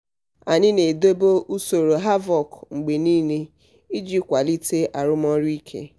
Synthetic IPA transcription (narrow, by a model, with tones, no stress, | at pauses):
a˨ɲɪ˦ne˨do˦bo˦u˦so˨ɾo˨ɦa˦vɔ˨kŋ͡m̩˨ɡ͡be˨niː˦ne˦ | i˦d͡ʒi˦kʷa˨li˦te˦ʔa˨ɾʊ˦m˦ɔ˦ɾi˦i˦kʰḛ˦